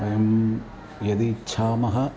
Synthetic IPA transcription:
ɐjɐm | jɐd̪it͡ʃʰaːmɐɦɐ

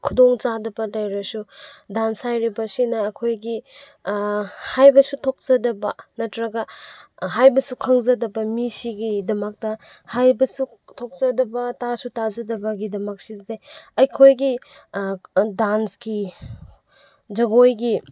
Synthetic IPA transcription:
kʰudoŋt͡ʃadɐbɐlajɾɐsudanshajɾibɐsinɐːkʰojɡi | hajbɐsutʰok̚zɐdɐbɐnɐtɾɐɡɐɦajbɐsukʰɐŋzɐdɐbɐmisiɡidɐmɐk̚tɐ | hajbɐsu | tʰok̚zɐdɐbɐtasutazɐdɐbɐɡidɐmɐk̚silzajɐjkʰojɡi | dansɡi | d͡ʒɐɡojɡi

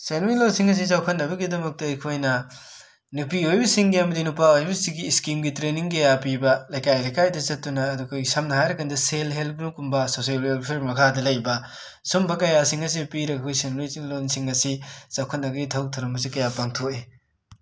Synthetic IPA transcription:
senɾilonsiŋɐs̬izawkʰɐtnːɐbɐɡidɐmɐk̚tɐɐjkʰojnɐ | nupiojbɐsiŋɡiɐmɐdinupaojbɐsiɡiːskimɡitɾeniŋkɐjap̬ibɐlɐjkajlɐjkajdɐt͡ʃɐtːunɐːdukʰojsɐmnɐhajɾɐkʰɐndɐselɦelp̚nukumbɐsoselelpʰeɾmɐkʰadɐlɐjbɐ | sumbɐkɐjasiŋɐs̬ipiɾɐkʰojsenɾisiŋlonsiŋɐsisawkʰɐt̚nɐɡɐɡitʰɐwtʰɐɾɐmbɐs̬ikɐjapaŋtʰoe

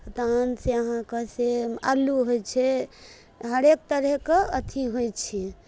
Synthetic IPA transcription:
t̪anseəɦãkəsealːuɦot͡ʃʰɛ | ɦəɾek̚t̪əɾɛkeət̪ʰiɦojt͡ʃʰi

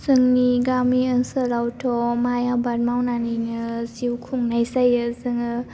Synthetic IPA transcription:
zɯŋniɡamiəŋsəɾawtʰɔmajabat̚mawnaninɯziwkʰuŋnajsajɯzɯŋɯ

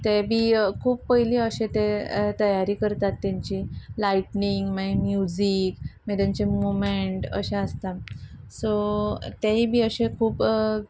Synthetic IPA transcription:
t̪ebʱiːkʰuːppəjliəɕẽt̪ẽt̪əjaɾiːkəɾt̪at̪ːjaɲt͡ɕilaiʈniŋɡmaimjud͡ʑikmɛd̪aɲt͡ɕemomeɳʈə̰ɕẽəst̪a | sot̪aɦibʱiːəɕẽkʰuːp

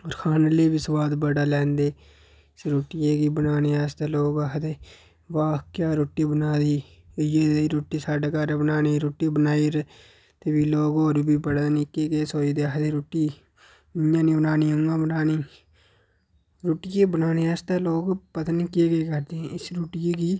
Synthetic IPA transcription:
oːɾkʰaːnəleːbisʋaːd̪bəɽaːlɛ̃ːnd̪eː | sɾoːʈijeːɡiːbənaːneːɛːst̪eːloːɡakʰd̪eː | ʋaːkkjaːɾoːʈːiːbənaːd̪iː | jeːiːɾoːʈːiːsaːɖaːkaɾaːbənaːniːɾoːʈiːbənaːiːɾ | t̪eːbiːloːɡoːɾbiːbəɽaːniːkeːɡeːsoːiːd̪eːakd̪eːɾoːʈːiː | ɪjãːniːbənaːniːʊŋɡãːbənaːniː | ɾoːʈɪjeːbənaːneːɛːst̪aːloːɡpət̪aniːkeːɡeːkəɾd̪eːɛ̃ɪsɾoːʈɪjeːɡiː

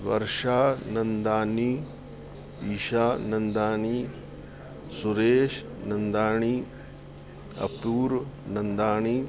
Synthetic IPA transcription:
ʋɐ̰ɾʃaːnɐnd̪aːni | iːʃaːnɐnd̪aːɳiː | suɾeːʃ | nɐnd̪aːɳi | ɐ̰puːɾnɐnd̪aːɳiː

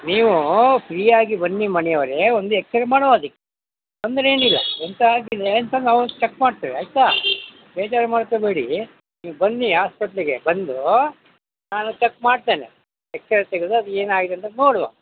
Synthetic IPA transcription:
niːʋupʰɾiːaːɡibɐnːimɐnɛjɐʋɐɾeond̪ueksɐɾɐmaːɽʋaːd̪ikːe | ɐnd̪ɐɾe̞ːnilːɐ̰ent̪ɐaːɡid̪eɐnt̪ɐnaːʋut͡ʃekːmaːɽt̪iːʋiɐjt̪aː | bɛːt͡ʃaːɾmaːɽkobeːɽi | niːʋubɐnːiɦaːspɐʈɐliɡebɐnd̪u | naːnut͡ʃekːmaːɽt̪e̞ːne | eksɐɾt̪eɡed̪uɐd̪ue̞ːnaːɡid̪eɐnt̪ɐnoːɽʋo̰

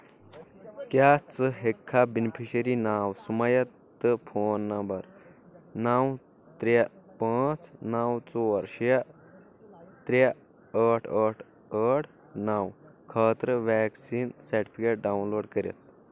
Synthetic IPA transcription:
kjaːt͡səɦekʰːabinipʰiɕəɾinaːwsumɐjɐt̪ː | ɨpʰoːnːɐmbɐɾ | naw | t̪ɾapaːt͡snawt͡soʋɐɾɕja | t̪ɾa | əʈʰəʈʰ | əʈʰ | naːwkʰaːt̪ɾəʋɛːksiːnsɐɾʈi̥pʰikeʈ̚ɖawunloːɖkəɾʲjɐ̰t̪̚

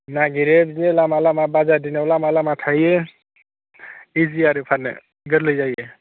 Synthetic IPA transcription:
naɡiɾebzinelamalamabazadinawlamalamatʰaje | iziaɾɯpʰanḛ | ɡəɾlɯjzaje

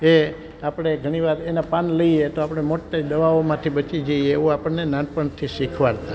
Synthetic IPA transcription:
e | apəɽ̃eɡʱəɽ̃iʋaɾenapanləiet̪oapəɽ̃emoʈːed̪əʋaomãt̪ʰibət͡ʃid͡ʒəieeʋũapəɳnenanpəɳt̪ʰisikʰʋaɾa

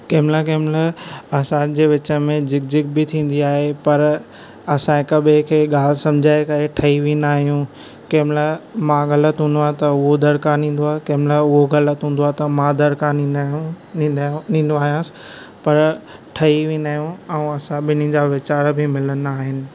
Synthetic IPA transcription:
keːmlak̬eːmlaɐsãd͡ʑeːʋɪt͡ɕəmẽd͡ʑɪkd͡ʑɪk̚bɪt̪ʰĩːn̆d̪iaːɦepɐɾ | ɐsãɪkɐɓekʰeːɠaːlsɐ̃md͡ʑʱaːekɐɾeʈʰɐiʋinaːɦijũ | keːmlamãɣɐlət̪ɦũːn̆d̪oaːɦet̪ɐʊɦod̪ɐɾkaːɾn̤ĩːn̆d̪oaːɦekeːmɪlaʊɦoɣɐlət̪ɦũːn̆d̪oaːɦt̪ɐmãd̪ɐɾka | nĩːnd̪oaːɦijãːsɪ̥ | pɐɾ | ʈʰɐiʋĩːnaːɦijũɛ̃ũɐsãɓɪnid͡ʑaːʋɪt͡ɕaːɾbɪmɪlənaːɦɪnɪ̆

